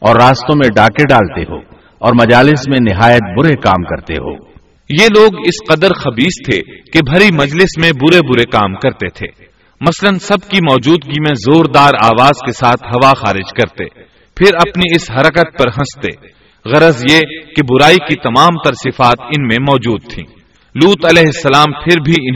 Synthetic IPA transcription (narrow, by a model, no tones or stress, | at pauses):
ɔːɾːaːst̪õmẽɖaːkeɖaːlt̪eɦo̰ː | ɔːɾmɐd͡ʒaːlɪsmẽnɪɦaːjət̪̚bʊɾekaːmkɐɾt̪ḛɦo̰ː | jeːloːɡɪsqɐd̪əɾxɐbiːst̪ʰḛkebʱɐɾimɐd͡ʒlɪsmẽbʊɾebʊɾekaːmkɐɾt̪et̪ʰḛː | mɐslənsɐbkimɔːd͡ʒuːd̪̚ɡimẽzoːɾd̪aːɾaːʋaːzkesaːt̪ʰɦɐʋaxaːɾɪd͡ʒkɐɾt̪ḛː | pʰɪɾɐpniɪsɦɐɾəkət̪̚pɐɾɦɐ̃st̪ḛː | ɣɐɾəzjekebʊɾaːikit̪ɐmaːmt̪ɐɾsɪfaːt̪ɪnmẽmɔːd͡ʒuːd̪̚t̪ʰḭ̃ː | luːt̪ɐlɛːɦɪsːɐlaːmpʰɪɾbʱiɪ